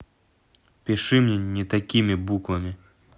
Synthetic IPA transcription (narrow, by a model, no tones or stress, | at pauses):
pʲɪʂɨmnʲɛnʲɛt̪ɐkʲimʲibukvɐmʲi